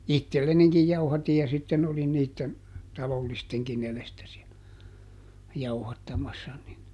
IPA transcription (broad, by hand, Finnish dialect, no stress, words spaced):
itːelːenikij jɑuhɑtij jɑ sitːen olin niːtːen tɑlolːisteŋkin elestæ siæ jɑuhɑtːɑmɑsːɑ ni